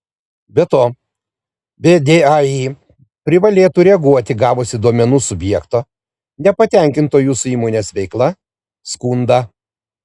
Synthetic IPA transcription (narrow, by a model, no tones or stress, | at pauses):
bʲɛt̪oː | bʲɛd̪ʲeːɑiː | pʲɾʲɪʋɐlʲeːt̪uɾʲɛɡuɔt̪ʲɪɡɑːʋoːsʲɪd̪uɔmʲɛnuːsʊbʲjɛːkt̪oː | nʲɛpɐt̪ʲɛŋʲkʲɪnt̪oːjuːsʊiːmoːnʲeːsʋʲɛɪklˠɐ | skuːnd̪ɐ